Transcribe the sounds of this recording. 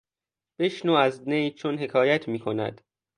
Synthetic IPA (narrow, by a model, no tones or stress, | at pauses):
b̥e̞ʃnuːæznejt͡ʃʰonɦe̞kʰɒːjæt̪ʰmiːkʰo̞næ̰d̪̥